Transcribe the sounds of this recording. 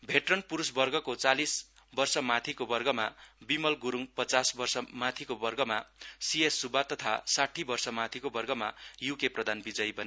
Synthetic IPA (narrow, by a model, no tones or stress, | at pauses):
bʱeʈrʌnpuɾusbʌrɡʌkot͡salis | bʌrsʌmat̪ʰikobʌrɡʌmabimʌlɡuɾuŋpʌt͡sasbʌrsʌmat̪ʰikobʌrɡʌmasiesːubat̪ʌt̪ʰa̰saʈʰibʌrsʌmat̪ʰikobʌrɡʌmajukeprʌd̪ʱanbid͡zʌjbʌn